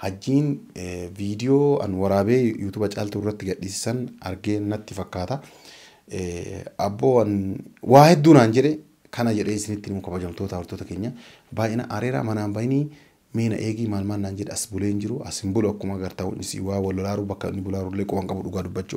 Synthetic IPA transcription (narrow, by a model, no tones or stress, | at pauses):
hɐd͡ʒːiːnviːd̪ɪjoːɐ̰nwɐɾaːbeːjuːt̪uːbɐt͡ʃʼaːlt̪uɪrːɐt̪ːɪɡɐɗːiːsɪ̥sɐnɐ̰ɾɡeːnːɐt̪ːɪfɐkːaːt̪ɐ | ɐbːoːɐnwʔaːhɛd̪ːuːnaːnd͡ʒɛᶑɛ | kɐnɐd͡ʒɛᶑeːɪsɪnɪt̪ːɪnɪmɔkɐbɐd͡ʒɐmt̪oːt̪ɐwɔɾt̪oːt̪ɐkeːɲːɐ | baːʔɪnɐ̰ʔaɾeːɾa̰ːmɐnaːmbɐjniː | me̞ːnɐ̰ʔeːɡiːmaːlmaːnːaːnd͡ʒɛᶑɛɐsbʊleːnd͡ʒɪɾʊʔɐsɪmbʊlʊɐkːʊmɐɡɐɾt̪ɐʊ̰nɪsḭwaːwɐlːɐlaːɾʊbɐkːɐnːɪbʊlaːɾʊlːeːkʼɔbɐŋkʼɐbʊᶑʊɡaːd̪ʊbːɐt͡ʃːu